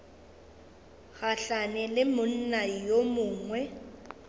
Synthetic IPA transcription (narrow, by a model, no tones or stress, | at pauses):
ɣaɬanɛlɪmʊn̩najomʊːŋwɛ